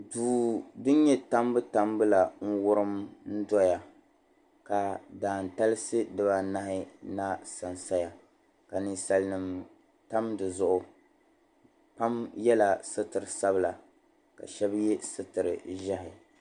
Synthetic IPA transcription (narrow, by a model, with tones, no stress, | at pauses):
duː˨dɨ˦ɲɛ˦ta˦mbɨ˦ta˨mbɨ˦la˨ŋ̩˦wʊ˦ɾɨ˦mn̩˦dɔ˦ja˨ | ka˨daː˨n̩˨ta˦lɨ˦sɨ˦dɨ˦ba˦na˦hɪ˦na˦sa˨nsa˦ja˨ | ka˨nɨ˨sa˨lnɨ˨m | ta˦mdɨ˨zʊ˦ʔʊ˨ | pa˦mjɛ˦la˨sɨ˦tɨ˨ɾɨ˨sa˦bɨ˦la˨ | ka̰˨ʃɛ˦bjɛ˦sɨ˦tɨ˨ɾɨ̰˨ʒa˦ɦɪ˨